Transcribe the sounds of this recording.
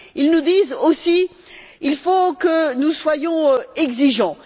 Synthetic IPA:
ilnud̪izosi | ilfokənuswajɔ̃ɛɡziʒɑ̃

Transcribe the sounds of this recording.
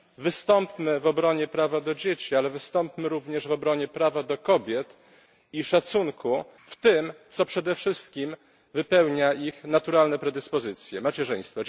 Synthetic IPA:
vɘst̪ɔmpmɘvɔbɾɔɲɛpɾavad̪ɔd͡ʑet͡ɕialɛvɘst̪ɔmpmɘɾuvɲɛʐvɔbɾɔɲɛpɾavad̪ɔkɔbʲjɛt̪ | iʂat̪suŋkuft̪ɘmt̪sɔpʂɛd̪ɛfʂɘst̪kʲim | vɘpɛwɲaixnat̪uɾalnɛpɾɛd̪ɘspɔzɘt̪sʲjɛmat͡ɕɛʐɘj̃st̪fɔ

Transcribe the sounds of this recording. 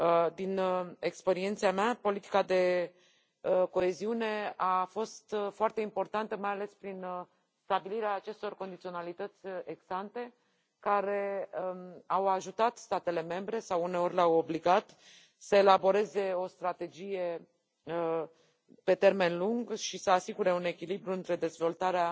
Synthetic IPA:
d̪inekspe̞ɾient̪siamapo̞lit̪i̥kad̪e̞ | ko̞e̞ziune̞afo̞st̪foart̪e̞impo̞rt̪ant̪əmajale̞spɾin | st̪abiliɾeaːt͡ʃe̞st̪o̞rko̞nd̪it̪sio̞nalit̪ət̪sʲeɡsant̪e̞ | kaɾe̞ | awaʒut̪at̪st̪at̪e̞le̞me̞mbɾe̞sawune̞o̞rʲleawo̞bliɡat̪ | səe̞labo̞ɾe̞ze̞o̞st̪ɾat̪e̞d͡ʒije̞ | pe̞t̪e̞rme̞nluŋɡʃisəasiɡuɾe̞une̞kʲilibɾuɨnt̪ɾe̞d̪e̞zvo̞lt̪aɾea

